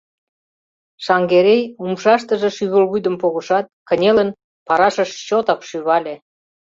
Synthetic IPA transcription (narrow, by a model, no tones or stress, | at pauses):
ʃɑŋɡeɾejumʃɑʃt̪ə̆ʒĕʃyβəlβujd̪ə̆mpoɣə̆ʃɑt̪̚kə̆nʲelən | pɑɾɑʃəʃt͡ɕot̪ɑkʃyβɑlʲe